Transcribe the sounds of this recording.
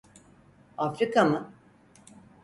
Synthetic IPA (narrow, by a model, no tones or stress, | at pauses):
afɾikamɯ